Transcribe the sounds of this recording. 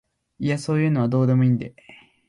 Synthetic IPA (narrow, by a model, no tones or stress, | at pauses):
iaso̞ːjɯ̟ːno̞β̞ad̪o̞ːd̪e̞mo̞ĩnd̪e